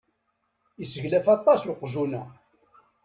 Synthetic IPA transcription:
isəʝlæfɑt̪ˤːɑsʊqzunæ

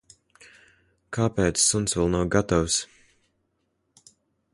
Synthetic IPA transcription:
kʰaːpɛːt̪sːunsvɛlˠnawɡat̪aws

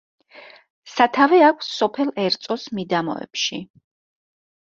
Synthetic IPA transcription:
sat̪ʰavɛakʷʰsːɔpʰɛlˠɛɾt̪sʼɔsmid̪amɔ̰ɛ̰pʃi

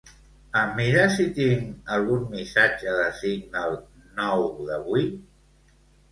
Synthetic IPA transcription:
əmiɾasit̪iŋəlˠɣunmisad͡ʒəðəsiŋd̪əlˠ | nɔwðəβi

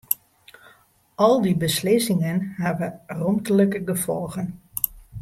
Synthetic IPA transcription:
ɔlˠdibəslɪsɪŋənhɛʋərɔmtələkəɡəfɔlˠɣən

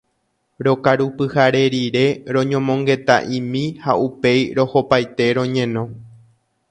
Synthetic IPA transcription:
ɾo̞kaɾupɨhaɾe̞ɾiɾe̞ɾõ̞ɲõmõ̞ŋɡe̞t̪a̰ʔĩmĩhaupe̞jɾo̞ho̞pajt̪e̞ɾõ̞ɲẽ̞nõ̞

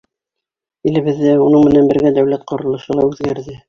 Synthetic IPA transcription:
ilɘ̆βɘ̆ðːɘunɤɴmɘ̆nænbɘ̆ɾɡæd̪æwlæt̪̚qŏɾɤ̆lˠɤ̆ʃɤlˠɑʉðɡæɾðɘ

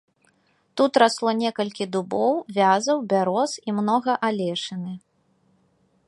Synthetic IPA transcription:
t̪ut̪ɾaslˠɔnʲɛkɐlʲkʲid̪ubɔwvʲazɐwbʲaɾɔsimnɔɣɐʔalʲɛʂɨnɨ

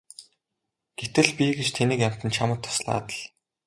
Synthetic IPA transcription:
ɡ̥et̪ɘ̆ɮpʲiɡet͡ɕt̪ʰenɘ̆kjam̥t̪ə̆nt͡ɕʰamə̆t̪ʰːɔ̥sɮa̰ːt̪ə̆ɮ̥

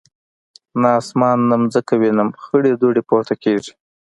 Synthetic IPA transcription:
nɑːsmɑnːamzəkawinamxəɽed̪oɖepoɾt̪akeʐi̥

